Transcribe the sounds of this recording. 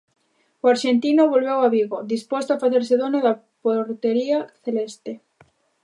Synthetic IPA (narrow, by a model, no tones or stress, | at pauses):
oaɾʃent̪inʊβolβewaβiɣod̪ispɔst̪oafaθeɾseðonʊða | poɾt̪eɾiaθelest̪e